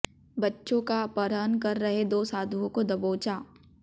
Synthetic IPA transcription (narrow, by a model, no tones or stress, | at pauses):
bɐtːʃõkapəɾənkɐɾːɐɦed̪oːsaːd̪ʱuõkod̪ɐboːt͡ʃaː